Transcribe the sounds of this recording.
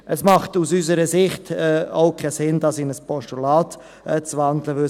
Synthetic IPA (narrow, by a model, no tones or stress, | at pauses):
ʔɛsmɑχtusys̬əɾəsɪχtɛaʊkʰɛsɪnd̥ɑsɪnəspɔʃtulaːt | ɛt͡svɑndləvʏ